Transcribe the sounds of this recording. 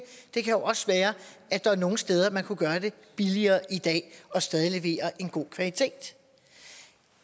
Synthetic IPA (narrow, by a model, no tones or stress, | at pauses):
d̥e̝kʰæjo̝ʔɒ̽səʋæːɐʔæd̥ɑ̈æno̝ːŋn̩sd̥eːð̞ˠɐmænkʰuɡ̥ɶːɐd̥e̝ | b̥iliɐːʔid̥ɛ̰ːɒ̽sd̥ɛːð̞ˠile̝ʋe̝̰ːɐʔe̝nɡ̥o̝̰ːkʰʋælit͡sʰe̝̰ːd̥